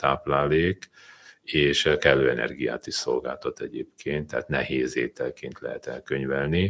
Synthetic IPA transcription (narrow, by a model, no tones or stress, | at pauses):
t̪aːplaːleːk | eːʃɛkɛlːøːɛnɛ̰rɡija̰ːt̪iʃso̞̰lɡa̰ːlt̪ɒt̪ɛɟeːpkʰeːnt̪ːɛːt̪nɛheːzeːt̪ɛlkeːnt̪lɛɦɛt̪ɛlkøɲvɛlni